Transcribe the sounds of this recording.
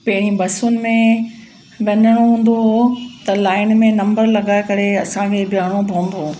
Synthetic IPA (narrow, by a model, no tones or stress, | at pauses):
pɐɦɪɽ̃ĩbɐsʊnɪ̆mẽ | ʋɐɲəɽ̃oɦũːn̆d̪oɦot̪ɐlaːɪnmẽnɐ̃mbəɾlɐɡaːɪkɐɾeɐsãkʰebɪjaːɽ̃obʱõːmbʱoː